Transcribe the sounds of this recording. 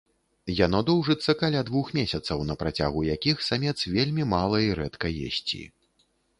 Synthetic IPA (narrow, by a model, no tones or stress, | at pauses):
jan̪ɔd̪ɔwʐɨt̪sːɐkalʲad̪vuxmʲesʲɐt̪sɐwnɐpɾat͡sʲa̰ɣujakʲixsamʲɛt̪svʲelʲmʲimalˠɐiɾɛt̪kɐjɛ̰sʲt͡sʲḭ